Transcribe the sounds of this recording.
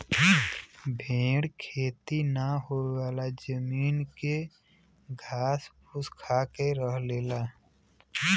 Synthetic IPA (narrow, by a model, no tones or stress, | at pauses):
bʱẽːɽkʰeːt̪inəɦoewaːlad͡ʒəmiːnke | ɡʱaːspʰʊskʰaːkeɾəɦleːla